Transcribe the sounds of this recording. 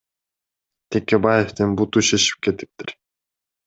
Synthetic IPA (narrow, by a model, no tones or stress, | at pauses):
t̪ʰekebajeft̪inbut̪uʃeʃi̥p̚ke̞t̪i̥p̚t̪iɾ